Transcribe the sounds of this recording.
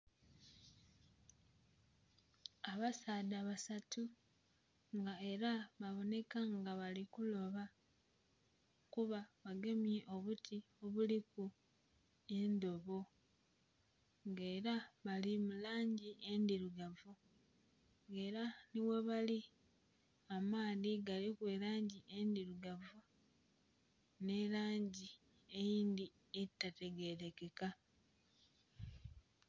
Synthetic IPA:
aβasaːdaβasatu | ŋɡae̞ɾaβaβo̞ne̞kaŋɡaβalikulo̞βa | kuβaβaɡe̞mje̞ʔo̞βutʰi | o̞βuliku | e̞nd̪o̞βo̞ | ŋɡe̞ːɾaβalimulaːɲɟiʔe̞nd̪iɾuɡavu | ŋɡe̞ːɾaniwe̞βali | amaːðiɡalikwe̞ːɾaːɲɟiʔendiɾuɡavu | ne̞laːɲɟi | e̞jiːnd̪i | etːate̞ɡe̞ɾe̞ke̞ka

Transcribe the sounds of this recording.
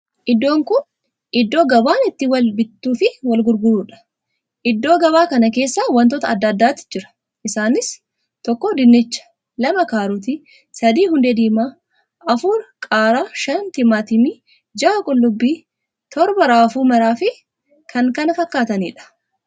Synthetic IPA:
ʔɪd̪ːo̞ːŋkʊn | ʔɪd̪ːo̞ːɡɐbaːnɪt̪ːɪwɐlbɪt̪ːuːfɪwɐlɡʊɾɡʊɾuːᶑɐ̥ | ʔɪd̪ːo̞ːɡɐbaːkɐnɐke̞ːsːaːwɐnt̪ɔːt̪ɐɐd̪ːɐd̪ːaːt̪ːɪ̥d͡ʒɪɾɐ̥ | ʔɪsaːnɪs | t̪ɔkːɔd̪ɪnːɪt͡ʃːɐ̥ | lɐmɐkaːɾuːt̪̬ɪ | sɐd̪iːhʊnd̪ɛd̪iːmaː | ʔɐfuːɾkʼaːɾaːʃɐnt̪ɪmaːt̪ɪmi | d͡ʒaːkʼʊlːʊbːiː | t̪ɔɾbɐɾaːfuːmɐɾaːfɪ | kʰɐŋkɐnɐfɐkːaːt̪ɐnḭːᶑɐ̥

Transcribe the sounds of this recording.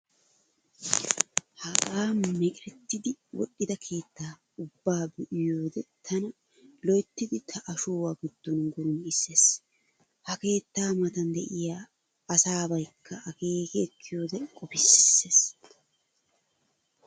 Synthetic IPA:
hɐkʼaːmɛkʼɛt̪ːɪd̪ɪwɔ̰ɗːɪd̪ɐkʰe̞ːt̪ːaː | ʊbːaːbɛʔɪjoːd̪ɛt̪ʰɐnɐ | lɔjt̪ːɪd̪ɪt̪ʰɐʔɐʃoːwaːɡɪd̪̥ːɔnɡɔɾʊnɪsːe̞ːs | hɐke̞ːt̪ːaːmɐt̪ɐnd̪ɛʔɪjaː | ɐsaːbɐjkʰːɐɐke̞ːkɛːkʰːɪjo̞ːd̪ɛkʼɔpɪsːeːs

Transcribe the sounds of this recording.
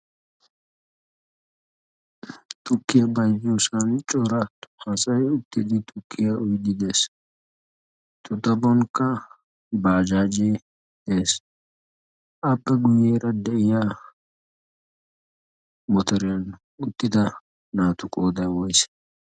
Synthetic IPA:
t̪ʼʊkːɪjɐbɐjd͡ʒosɐnt͡ʃʼɔɾɐthɐsɐjʊt̪ːɪd̪ɪt̪ʼʊkːɪjaʊjd̪ɪd̪e̞ːs | t̪ʼʊt̪ɐbɔŋkɐ | baːd͡ʒaːd͡ʒe | eːs | ʔɐpːɛɡʊjeːɾɐd̪ɛɪja | mɔt̪ɔɾɪjɐn | ʊt̪ːɪd̪ɐ | naːt̪ʊkʼoːd̪ɐwɔjs

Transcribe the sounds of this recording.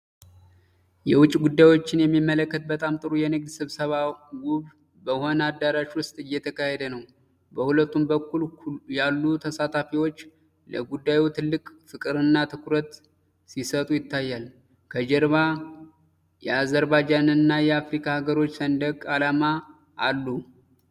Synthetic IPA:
jɛwʊt͡ʃʼːɡud̪ːajwo̞t͡ʃːɪnjɛmːimːələkːət̪̚bət̪ʼamt̪ʼɨɾujɛnɨɡ̚d̪sɨβsəβaɡuβ | bəho̞nad̪ːaɾaʃwʊst̪ʼɨjːɛt̪ʰəkaheɛd̪ənəw | bəhulət̪ːumbəkʰːuljalːut̪ʰəsat̪ʰafiwo̞t͡ʃː | ləɡud̪ːajut̪ʰɨlːɨkʼfɨkʼɨɾɨnːat̪ʰɨkʰɾət̪ | sisət̪ʼujɪt̪ːajːal | kʰəd͡ʒəɾβa | jɛazəɾbad͡ʒanɨnːajɛafɾikʰahaɡəɾo̞t͡ʃːsənd̪əkʼalama | ʔːlːu

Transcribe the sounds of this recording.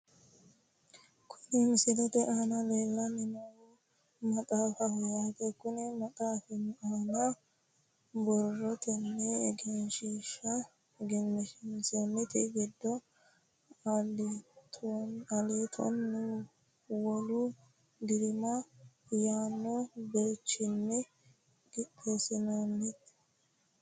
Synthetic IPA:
kʰʊ̥nɪmɪsɪlɛt̪ɛʔanɐleːlːɐmɪnɐwu | mɐt̪ʼaːfɐhɔjat̪ɛkʊnɛmɐt̪ʼaːfɪnaːnɐ | bɔrːɔt̪ɛnːɛɛɡɛnʃiːʃːɐ | ɡɛnːɛʃɪnsɛnːɪt̪ɪɡɛd̪ːɔ | t̪ʰɐleːt̪ʰɔ̰nːu | wɔlu | ɡ̪ɪɾɪmajaːnːobet͡ʃːɪnːɛ | ɡɪtːɛsɪnonːɪt̪

